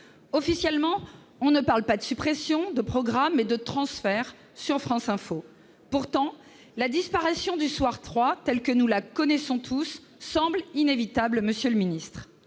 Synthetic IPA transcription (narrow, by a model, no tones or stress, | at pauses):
ɔfisjɛlmɑ̃ | ɔ̃nəpaʁlpad̪əsypχɛsjɔ̃d̪əpχɔɡʁamːɛd̪ət̪χɑ̃sfɛʁ | syʁfχɑ̃sɛ̃fo | puʁt̪ɑ̃ | lad̪ispaʁisjɔ̃d̪yswaʁt̪χwat̪ɛlkənulakɔnɛsɔ̃t̪ʰusː | ɑ̃blinevit̪ablməsjøləminist̪χ